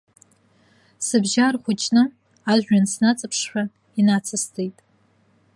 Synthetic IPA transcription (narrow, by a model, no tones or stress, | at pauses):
sɨbʒaːrχʷʊt͡ʃʼnɨm | aːʑᶣʷɐnsnat͡sʼɨpʰʂħʷᶣɐ | inaːt͡sʰɨstʰejtʼ